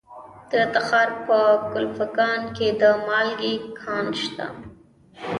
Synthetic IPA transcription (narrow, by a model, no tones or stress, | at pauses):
t̪ɾat̪axɑɾpəkʊlfakɑnked̪əmɑlɡikʰɑnʃt̪a̰